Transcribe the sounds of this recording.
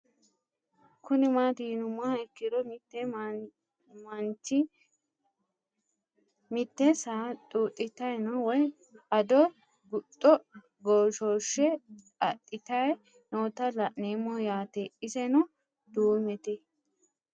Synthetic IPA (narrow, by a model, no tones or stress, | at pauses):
kʰʊnɪmaːt̪iːnʊmaɛkːɪd̪ɔmɪt̪ːɛ | mɐnt͡ʃɪ | mɪt̪ːɛsaːt̪ʼuːʔʼɪt̪ɐjnɐwɔj | ɐd̪ɔ | ɡʊtʼːɔ | ɡoːʃoːʃːɛ | ɐtʼːɪt̪ɐj | noːt̪ɐlɐʔneːmɔjaːt̪ɛʔɪsɛnɐ | d̪uːmɛt̪ɛ